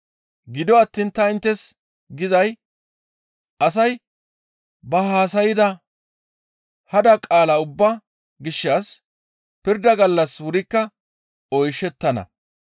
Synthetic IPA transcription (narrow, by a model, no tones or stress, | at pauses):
ɡɪd̪ɔɐt̪ːiːnt̪ɐɪnt̪ːɛs | ɡɪzɐj | ɐs̬ɐj | bɐhaːs̬ɐjɪd̪ɐ | hɐd̪ɐkʼaːlɐʊbːɐ | ɡɪʃːas | pɪɾd̪ɐɡɐlːɐswʊɾɪkːɐ | ɔjʃɛt̪ːɐnɐ̰